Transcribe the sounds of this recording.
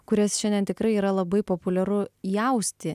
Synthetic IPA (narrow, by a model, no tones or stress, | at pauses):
kʊɾʲɛsʃʲɛnʲd̪ʲɛnt̪ʲɪkɾɐɪiːɾɐlˠɐbɐɪpoːpʊlʲɛɾʊjɛʊsʲt̪ʲɪ